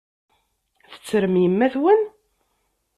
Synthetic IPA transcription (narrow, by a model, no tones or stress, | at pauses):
θə̥t͡sːɾəmjəmːæθwən